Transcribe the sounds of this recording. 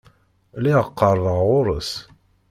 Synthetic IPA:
liʁəqːəɾˤðəʁʁʊɾˤəs

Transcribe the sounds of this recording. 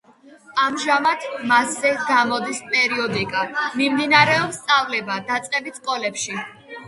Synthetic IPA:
amʒamat̪ʰmaszɛɡamɔd̪ispʼɛɾiɔd̪ikʼamimd̪inaɾɛɔpst̪sʼavlɛbad̪at̪sʼqʼɛbit̪skʼɔlɛpʃi

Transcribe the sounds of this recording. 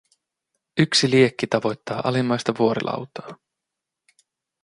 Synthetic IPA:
yksiliekːit̪ɑʋo̞jt̪ːɑːʔɑ̰limːɑjst̪ɑʋuo̞ɾḭlʔɑ̰wt̪ɑ̥ː

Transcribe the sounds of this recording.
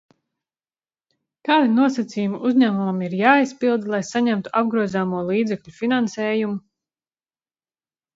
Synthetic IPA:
kaːd̪inuɔsat̪siːjumuʔuzʲɲæːmumamiɾjaːispilˠd̪lˠajsaɲæmt̪u̥ʔab̚ɡɾuɔzaːmuɔlˠiːd̪zɛkʎʲufinansɛːjumu

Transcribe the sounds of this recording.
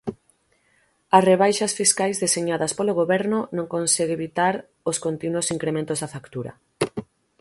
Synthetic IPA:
ɐsreβajʃɐsfiskajzðeseɲaðɐspoloɣoβɛɾnʊnõŋkonsɛɣeβit̪aɾ | oskont̪inwosiŋkɾemẽnt̪ozðɐfakt̪uɾɐ̰

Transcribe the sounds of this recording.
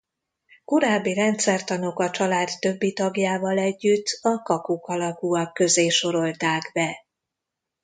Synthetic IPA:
koɾaːbːiɾɛnt̪sɛrt̪ɒno̞kɒt͡ʃɒlaːt̪ːø̞bːit̪ɒɡjaːvɒlɛɟːyt̪ːɒkɒkukɒlɒkuɒkːø̞zeːʃo̞ɾo̞lt̪aːɡbɛ

